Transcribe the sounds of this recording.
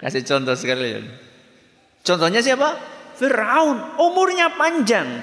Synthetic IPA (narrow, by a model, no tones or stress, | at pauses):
ka̰sɪt͡ʃɔnt̪ɔsəkalḭn | t͡ʃɔnt̪ɔɲas̬iapafiɾaʊnumʊrɲapaɲd͡ʒaŋ